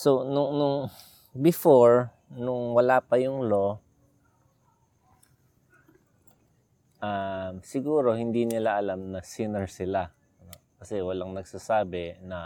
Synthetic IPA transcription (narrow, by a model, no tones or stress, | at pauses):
sonʊŋnʊŋ | bɪfoɹ | nʊŋwɐlaːpɐjʊŋlo̞ | ʔamsɪɡuːɾo̞hɪnd̪inɪlaʔɐlamnɐsɪnɛɹsɪla | ɐnokɐsɛwɐlaŋnɐɡsasaːbɛnɐ